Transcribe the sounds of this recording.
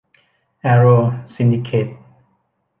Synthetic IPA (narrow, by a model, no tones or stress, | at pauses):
ɛɹosĩndikʰet̚